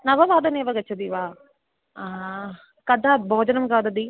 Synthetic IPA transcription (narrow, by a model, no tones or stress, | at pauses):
nɐʋɐʋaːd̪ɐneːʋɐɡɐt͡ʃʰːɐd̪iʋaː | a | kɐd̪ʱaːbʱoːd͡ʒɐnɐmɡaːd̪ɐd̪i